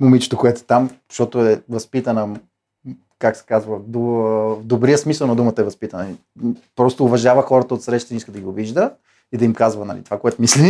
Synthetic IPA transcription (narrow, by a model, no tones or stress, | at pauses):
momit͡ʃɛ̥t̪okoɛt̪ʊɛt̪amʃt̪ɔt̪oɛvɐspit̪ənə | kaksɛ̥kazvəd̪ovd̪obɾijəsmisəlˠnɐd̪umət̪əɛvɐspit̪ənəi | pɾɔst̪oːvɐʒavəxɔɾət̪əot̪sɾɛʃt̪əniiskəd̪ɐɡiɡʊviʒd̪ə | id̪ɐimkazvənɐ̰lḭt̪o̥vakoɛt̪omisli